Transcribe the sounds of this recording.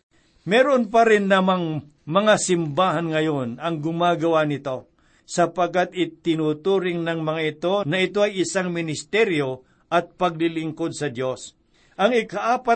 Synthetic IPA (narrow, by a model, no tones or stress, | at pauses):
mɛːɾonp̬ɐɾɪnlamaŋ | mɐŋasɪmbaːɦanŋɐjonɐŋɡʊmaːɡɐwanɪt̪o̞ | sɐpaɡ̚kːat̪̚ɪt̪ɪnut̪uːɾɪŋnɐŋmɐŋaɪt̪o̞nɐɪt̪oɐjɪsaŋmɪnɪst̪ɛɾjo̞ | ʔɐt̪̚pɐɡ̚lɪlɪŋkod̪̚sɐd̪jo̞s | ʔɐŋɪkaʔaːpa